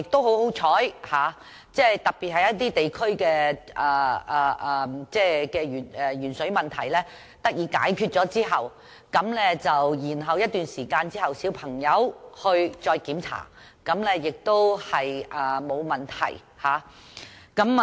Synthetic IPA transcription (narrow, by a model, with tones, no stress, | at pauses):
ɪ˨k̚t̪o˥who˨˥who˨˥wt͡sʰɔː˨˥jhaː˨˩ | t͡sɛː˥˩t̪ɐ˨k̚piː˨t̚hɐ˨jɐ˥t̪iː˥t̪e˨jkʰɵ˥ɥkɛː˧ʔɐ˨˩ʔɐː˨ʔɐ˨˩t͡sɛː˥˩kɛː˧jyː˨˩nɛ˨jyː˨˩nsɵ˨˥ɥmɐ˨nt̪ʰɐ̰˨˩jlɛː˥ | t̪ɐ˥k̚jiː˧˥ka̰ː˨˥jkʰyː˧t̚t͡sɔː˨˥t͡siː˥ɦɐ˨w | kɐ˨˥mlɛː˥t͡sɐ˨wjiː˨˩nɦɐ˨wjɐ˥t̚t̪yː˨nsiː˨˩kaː˧nt͡siː˥hɐ˨wsiː˨˥wpʰɐ˨˩ŋjɐ˨˥whɵ˧ɥt͡sɔː˧jkiː˨˥mt͡sʰa̰ː˨˩ | kɐ˨˥mlɛ˥jɪ˨k̚t̪o˥whɐ˨jʔɐː˨˩mo˨˧wmɐ˨˩nt̪ʰɐ̰˨˩j | haː˨˥ | kɐ˨˥m